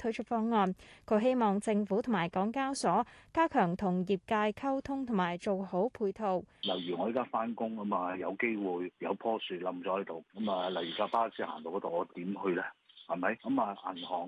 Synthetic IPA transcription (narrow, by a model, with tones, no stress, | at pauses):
t̪ʰɵ˨˥t͡ʃʰɵ˨˧t̚fɔː˧˥ŋːɔː˧nkʰɵ˨˧˥ɦe˥jmɔː˨˩ŋt͡sɪ˧ŋfuː˨˥t̪ʰʊ˨˩ŋmaː˨˩jkɔː˨˥ŋkaː˥wsɔː˨˥kaː˥kʰœː˨˩ŋt̪ʰʊ˨˩ŋjiː˨p̚kaː˧jkʰɐ˥wt̪ʰʊ˥ŋt̪ʰʊ˨˩maː˨˩jt͡so˨who˨˥wpʰuː˧jt̪ʰo˨˧wlɐ˨˩wjy˨˩ŋɔ˨˧jkaː˥faː˥nkʊ˥ŋɐ˨˥mɐː˨jɐ˨˧wke˥jwuː˨jjɐ˨˧wpʰɔː˥syː˨˧lɐ˨˧˥mt͡ʃɔː˨˥hɐ˨˥jt̪o˨wkɐ˨˥mɐː˧lɐ˨˩wjyː˨˩kaː˧paː˥siː˧˥ha̰ː˨˩nt̪o˨˧wkɔ˨˥t̪o˨wŋɔː˨˧t̪iː˨˥mhɵ˧ɥlɛː˥hɐ˨˩mɐ˨˥jkɐ˨˥mɐ˨˧ʔɐ̰˨˩nhɔː˨˩ŋ